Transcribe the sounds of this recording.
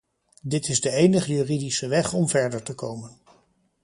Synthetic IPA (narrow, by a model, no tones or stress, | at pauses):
dɪtɪzdəejnəχəjyridisəʋɛχɔmvɛɹdəɹtəkowmən